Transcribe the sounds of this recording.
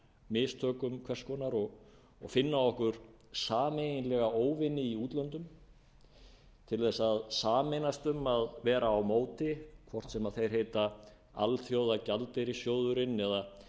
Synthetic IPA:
mɪst̪ʰœːkʏmkʰvɛr̥skɔːnaɾɔɣ | ɔ̰ɣfɪnːaɔhkʏɾ̥ | saːmejinlɛɣaoːwvɪnːɪiuːt̪lœnt̪ʏm | t̪ʰɪlθɛsaðsaːmejnast̪ʏmaðvɛːɾaːwmoːwt̪ɪkʰvɔr̥t̪sɛmaðθejɾ̥ɦeːjt̪a | a̰lθjowðacalt̪ɪɾisjoːwðʏɾɪnːɛða

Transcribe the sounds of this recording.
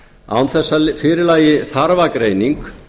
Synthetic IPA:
a̰wnθɛsːafɪːɾɪlaːjɪθaɾvakɾeːjniŋk

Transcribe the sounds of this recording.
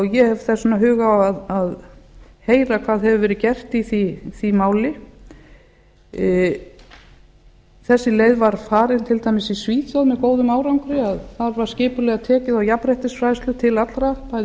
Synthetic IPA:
jɛhɛvθɛsːɔnːaɦʏːɣaaðað | hejɾakʰv̥aːðɦɛvʏvɛːɾɪcɛr̥t̪iθiθimaːwlɪ | θɛsːɪleːjðvaɾ̥faːɾɪnt̪ʰɪlt̪ʰajmɪsisviːt̪ʰjowðmɛðkoːwðʏmaːwɾawŋkɾɪaðθaðvaɾ̥scɪːpʏlɛɣat̪ʰɛːcɪðawjapɾɛjht̪ɪsfɾajst̪lʏt̪ʰɪlat̪lɾapa

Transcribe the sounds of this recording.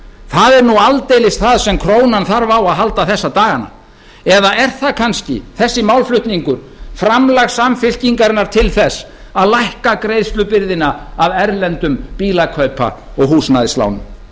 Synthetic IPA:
θaðɛɾnualt̪ejlɪst̪θaðsɛmkʰɾoːwnanθaɾvawaðɦalt̪aθɛsːat̪aːɣana̰ | ɛðaɛɾ̥θaðkʰanscɪ̰θɛsːɪmawlflʏht̪niŋkʏɾ̥ | fɾamlaɣsamfɪl̥ciŋkaɾɪnːaɾ̥t̪ʰɪlθɛsː | aðlajhkakɾeːjðst̪lʏpɪɾðɪnaːvɛɾlɛnt̪ʏmpiːlakʰœɥpʰa̰ | ɔɣɦuːsnajðɪsla̰wnʏ̰m

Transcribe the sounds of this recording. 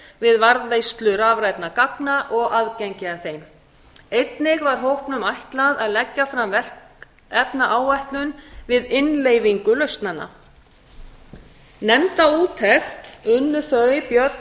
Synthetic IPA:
vɪðvaɾðvejst̪lʏɾavɾajt̪nakaknaʔɔɣaðcɛɲcɪaθejm | ejt̪nɪɣvaɾ̥ɦowhpnʏmajht̪laðaðlɛcːafɾamvɛr̥ | ɛpnaʔaːwvajht̪lʏnvɪðɪnleːjviŋkʏlœɥst̪nanːa̰ | nɛmt̪auːt̪ʰɛxt̪ʏnːʏθœɣɪpjœt̪

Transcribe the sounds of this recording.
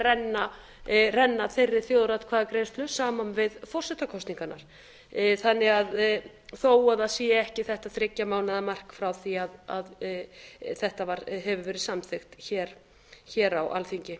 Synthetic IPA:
rɛnːa | rɛnːaθejrːɪ̥θjoːwðɾat̪kʰvaːðakɾejnst̪lʏsaːmanvɪðfɔr̥sɛht̪akʰɔst̪niŋkana̰ɾ̥ | θanːɪɣað | θoːwaðaðsiːaɛhcɪθɛht̪aðθɾɪcːamaːwnɪðamar̥kfɾawθiaðað | θɛht̪avaɾɦɛvʏvɛːɾɪðsamθɪxt̪çɛːɾ̥ | çɛːɾawa̰lθiɲcɪ

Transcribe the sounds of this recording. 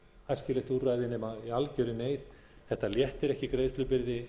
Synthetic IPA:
ajscɪlɛht̪uraːjðɪnɛːmaialcœɥɾɪneːjθ | θɛht̪aljɛht̪ɛɾɛhcɪkɾeːðst̪lʏpɪɾðɪ

